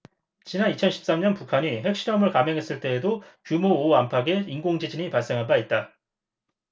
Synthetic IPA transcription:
t͡ɕinanit͡ɕʰʌnɕʰi̥p̚s͈amɲʌnpukʰaɲiɦe̞k̚ɕ͈iɾʌmɯɭkameŋɦe̞s͈ɯɭt͈e̞ːdokjumoːampʰaɡe̞inɡoŋd͡ʑid͡ʑiɲipaɭs͈e̞ŋɦabait̚t͈a

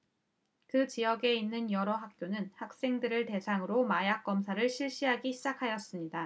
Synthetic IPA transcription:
kɯt͡ɕijʌɡe̞inːɯnjʌɾʌɦak̚k͈jonɯnhak̚s͈e̞ŋdɯɾɯɭte̞sʰaŋɯɾomajak̚k͈ʌmsʰaɾɯɭɕʰiɭɕ͈iɦaɡiɕʰid͡ʑakʰajʌs͈ɯmɲida

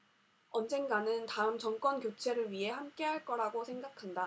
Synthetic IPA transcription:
ʌnd͡ʑe̞ŋɡanɯntaɯmt͡ɕʌŋk͈wʌnkjot͡ɕʰe̞ɾɯɭɥiɦe̞hamk͈e̞ɦaɭk͈ʌɾaɡosʰe̞ŋɡakʰanda

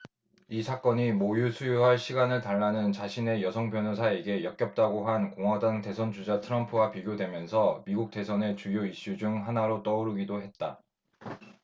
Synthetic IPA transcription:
isʰak͈ʌɲimojusʰujuɦaɭɕʰiɡanɯɭtaɭːanɯnt͡ɕaɕʰine̞jʌsʰʌŋpjʌnusʰae̞ɡe̞jʌk͈jʌp̚t͈aɡoɦankoŋwadaŋte̞sʰʌnd͡ʑud͡ʑatʰɯɾʌmpʰuwapiɡjodwe̞mjʌnsʰʌmiɡuk̚t͈e̞sʰʌne̞t͡ɕujoiɕ͈ud͡ʑuŋɦanaɾot͈ʌuɾɯɡidoɦe̞t̚t͈a

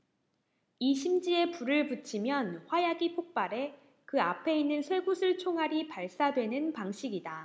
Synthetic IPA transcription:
iɕʰimd͡ʑie̞puɾɯɭput͡ɕʰimjʌnɸwajaɡipʰok̚p͈aɾe̞ | kɯapʰe̞inːɯnsʰwe̞ɡusʰɯɭt͡ɕʰoŋɦaɾipaɭs͈adwe̞nɯnpaŋɕ͈ʰiɡida

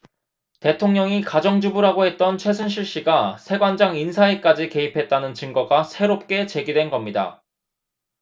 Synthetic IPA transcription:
te̞tʰoŋɲʌŋikad͡ʑʌŋd͡ʑubuɾɦaɡoɦe̞t̚t͈ʌnt͡ɕʰwe̞sʰunɕ̬ʰiɭɕ͈iɡasʰe̞ɡwand͡ʑaŋinsʰaek͈ad͡ʑike̞ipʰe̞t̚t͈anɯnt͡ɕɯŋɡʌɡasʰe̞ɾop̚k͈e̞t͡ɕe̞ɡidwe̞nɡʌmɲida̰

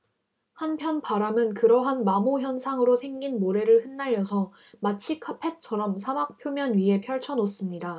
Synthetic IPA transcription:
hanpʰjʌnpaɾamɯnkɯɾʌɦanmamoçjʌnsʰaŋɯɾosʰe̞ŋɡinmoɾe̞ɾɯɭhɯnːaʎːjʌsʰʌ | mat͡ɕʰikʰapʰe̞t͡ɕʰʌɾʌmsʰamak̚pʰjomjʌnɥiɦe̞pʰjʌɭt͡ɕʰʌnos͈ɯmɲida

